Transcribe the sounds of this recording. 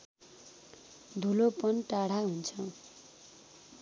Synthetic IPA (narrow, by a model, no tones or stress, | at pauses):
d̪ʱulopʌnʈaɽ̤aɦunt͡sʰʌ